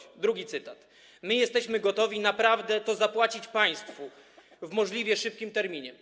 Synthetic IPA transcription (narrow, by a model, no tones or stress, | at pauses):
d̪ɾuɡʲit̪sɘt̪at̪ | mɘjɛst̪ɛɕmɘɡɔt̪ɔvʲinapɾavd̪ɛt̪ɔzapwat͡ɕit͡ɕpaj̃st̪fu | vmɔʐlʲivʲjɛʂɘp̚kʲimt̪ɛɾmʲiɲɛ